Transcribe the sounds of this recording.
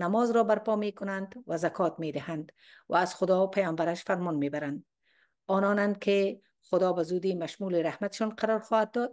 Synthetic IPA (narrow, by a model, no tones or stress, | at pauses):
namɔzɾɔbaɾpɔmekʊnand̪wazakʰɔt̪med̪ɪhand̪ | waːzxʊd̪ɔpajɔmbaɾaʃfaɾmɔnmebaɾand̪ | ɔnɔnand̪̚kʰe | xʊd̪ɒbazud̪imaʃmulɪɾahmat̪ʃɔnqaɾɔɾxɔhad̪̚d̪ɔd̪̚